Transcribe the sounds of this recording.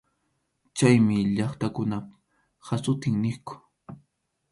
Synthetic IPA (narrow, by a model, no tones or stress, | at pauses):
t͡ʃajmɪʎɑχt̪akʊna | hasʊt̪ɪŋnɪkʊ̥